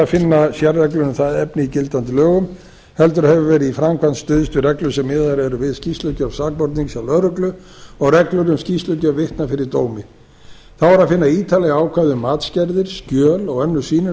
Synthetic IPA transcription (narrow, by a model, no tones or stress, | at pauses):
afɪnːasjɛrːɛklʏnʏmθaðɛpnɪicɪlt̪ant̪ɪlœːɣʏm | hɛlt̪ʏɾɦɛvʏvɛːɾɪifɾamkʰanst̪ʏðɪst̪ʏrɛklʏsɛmːɪːðaɾɛɾʏvɪðscist̪lʏcœvsaːk̚pɔɾt̪niŋksjawlœɾʏklʏ | ɔɣrɛklʏɾʏmscist̪lʏcœvɪht̪nafɪɾɪɾt̪oːwmɪ | θavaɾaðfɪnːaiːt̪ʰalɛɣaːwkʰvaðʏmːaːt̪scɛɾðɪɾ̥scœːlɔɣɛnːʏsiːnʏ